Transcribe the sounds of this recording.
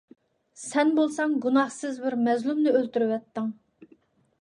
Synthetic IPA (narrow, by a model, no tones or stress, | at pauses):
sɛnbolˠsɑŋɡunɑχsɨzbɪɾmɛzlumnɪølt̪yɾɪwɛt̪ːɪŋ